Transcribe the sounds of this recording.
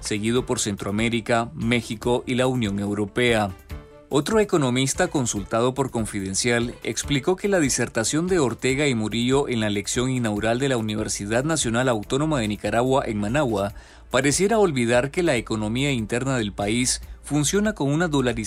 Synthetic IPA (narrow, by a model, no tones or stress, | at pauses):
se̞ɣið̞o̞po̞ɾse̞nt̪ɾoame̞ɾikame̞xiko̞ʔilaunjo̞ŋe̞wɾo̞pe̞a | o̞t̪ɾo̞e̞ko̞no̞mist̪ako̞nsult̪að̞o̞po̞ɾko̞ɱfið̞e̞nsjalḛkspliko̞ke̞laðise̞ɾt̪asjo̞nd̪e̞oɾt̪e̞ɣaimuɾioʔenlaeleksjo̞ŋinawuɾald̪e̞launiβ̞e̞ɾsiðaðnasjo̞nalawt̪o̞no̞maðe̞nikaɾaɣwaʔe̞ŋmanawa | paɾe̞sje̞ɾaolβið̞aɾke̞laeko̞no̞miaint̪e̞ɾnaðe̞lpaisfunsjo̞nako̞ŋunaðolaɾi